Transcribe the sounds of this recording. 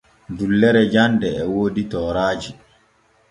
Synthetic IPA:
dulːɛɾɛd͡ʒandɛɛwoːditɔːɾaːd͡ʒi

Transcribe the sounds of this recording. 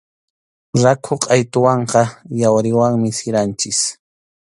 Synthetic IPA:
ɾakʰoqʼajt̪ʊwɑɴqɑjawɾɪwaŋmɪsɪɾant͡ʃɪs

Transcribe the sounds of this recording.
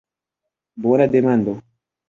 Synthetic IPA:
bɔnademand̪ɔ

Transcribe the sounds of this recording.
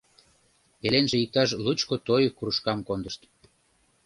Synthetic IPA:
pelenʒĕik̚t̪ɑʃ̬lut͡ɕkot̪ojkuɾuʃkɑmkond̪əʃt̪

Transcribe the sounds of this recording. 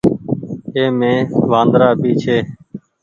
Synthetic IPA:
eːmẽːʋãːnd̪ɾaːpiːt͡ʃʰeː

